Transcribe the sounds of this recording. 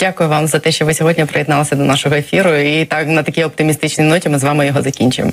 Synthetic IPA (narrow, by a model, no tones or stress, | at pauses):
dʲakʊjʊʋɑmzɐt̪ɛʃt͡ʃɔʋɪsʲɔɦɔdʲnʲipɾejɛd̪nɑlˠɐsʲɐd̪ɔnɑʃɔɦɔefʲiɾʊit̪ɑknɐt̪ɐkʲijɔp̚t̪ɪmʲist̪ɪt͡ʃnijnɔtʲimɪzʋɑmɪjɔɦɔzɐkʲinʲt͡ʃʊjḛmɔ